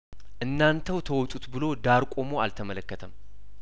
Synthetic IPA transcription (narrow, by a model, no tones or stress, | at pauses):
ʔɨnːant̪ʰəwt̪ʰəwɔt̪ʼut̪bɨlo̞d̪aɾkʷʼo̞moa̰lt̪ʰəmələkːət̪ʰəm